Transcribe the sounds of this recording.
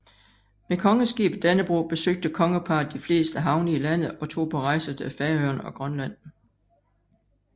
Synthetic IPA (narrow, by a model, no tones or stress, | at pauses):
mekʰɒ̽ŋəsɡ̥ḭːb̥d̥ænəb̥ʁṵːb̥e̝søɡ̥̚d̥əkʰɒ̽ŋəpʰɑ̈ːdd̥ifle̝̰ːsd̥əɦɑ̈ʊnəilæn̰ð̩ˠɒ̽t͡sʰo̝̰ːpʰɒ̽ʁɑ̈ɪsɐd̥ʰəæfæɐøɐnɒ̽ɡ̥ʁɶnlæn̰